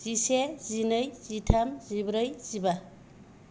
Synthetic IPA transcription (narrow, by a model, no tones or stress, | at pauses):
z̥isezinəjz̥itʰamzibɾɯjz̥iba